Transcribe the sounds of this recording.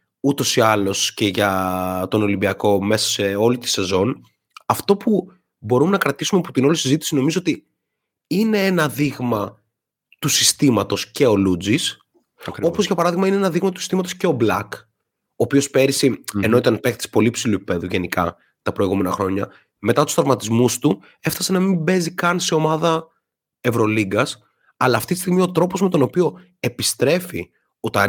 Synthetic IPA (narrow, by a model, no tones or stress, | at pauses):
ut̪o̞siɐlo̞sce̞ʝɐt̪o̞no̞limbiɐko̞me̞sɐ̥seo̞lit̪i̥se̞zo̞n | ɐft̪o̞pu | bo̞ɾumenɐkɾɐt̪isumeɐpot̪ino̞lisizit̪isino̞mizoot̪i | ine̞enɐðiɣmɐ | t̪usist̪imɐt̪o̞sce̞o̞lud͡zis | kɾo̞po̞zʝɐpɐɾɐðiɣmɐineenɐðiɣmɐt̪u̥si̥st̪imɐt̪o̞sce̞o̞blɐk | o̞ːpio̞spe̞ɾisieno̞it̪ɐnpekt̪i̥se̥po̞liepsiluep̚i̥peðuʝe̞nikɐ̰ | t̪ɐpɾo̞iɣume̞nɐxɾo̞ɲɐ | me̞t̪ɐt̪u̥st̪ɾɐvmɐt̪izmust̪u | e̞fθɐse̞nɐmimbe̞zikɐnse̞o̞mɐðɐ | e̞vɾo̞liɡɐs | ɐlɐːft̪it̪i̥st̪iɣmio̞t̪ɾo̞po̞zme̞t̪o̞no̞pio̞ | e̞pist̪ɾe̞fi | ot̪ɐ